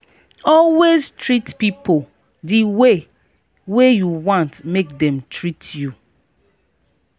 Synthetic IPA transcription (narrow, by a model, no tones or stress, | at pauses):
ɔlweztɹitpipo | diwe | wejuwɔ̃ntmek̚dɛ̃mtɹitju